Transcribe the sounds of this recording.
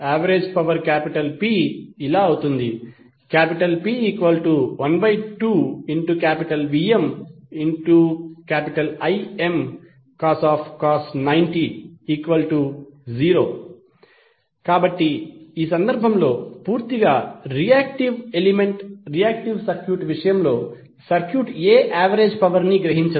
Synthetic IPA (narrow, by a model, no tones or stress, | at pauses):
aːʋɐɾed͡ʒpɐʋɐɾkaːpiʈɐlpiːilaːɐwut̪und̪i | kaːpiʈɐlpiːiːkʋɐlʈuʋɐnbɐjʈuːiɳʈukaːpiʈɐlʋiːemiɳʈukaːpiʈɐlɐje̞m | kaːsaːpʰkaːsnɐjɳʈiiːkʋɐlʈud͡ʒiːɾo̞ː | kaːbɐʈːiiːsɐnd̪ɐɾbʱɐmlo̞ːpuːɾt̪iɡaːɾijaːk̚ʈiʋelimeɳʈɾijaːk̚ʈiʋsɐɾkʰjuːʈʋiʂɐjɐmlo̞ː | sɐɾkʰjuːʈeːʔaːʋɐɾe̞ːd͡ʒpɐʋɐɾniɡɾɐɦiɲt͡ʃɐ